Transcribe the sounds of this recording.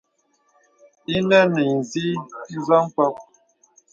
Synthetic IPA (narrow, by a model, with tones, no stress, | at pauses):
i˦nə˦ni˨n̩˨zi˦n̩˦zɔ˦ŋ˦kɔ˦p̚